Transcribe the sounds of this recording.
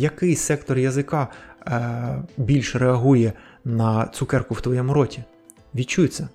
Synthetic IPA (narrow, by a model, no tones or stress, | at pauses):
jɐkɪjsɛkt̪ɔrjɐzɪkɑ | bʲilʲʃreɐɦujɛnɐt̪sʊkɛrkʊwt̪ʋɔjɛmʊɾɔtʲi | ʋʲid̪̚t͡ʃujt̪sʲɛ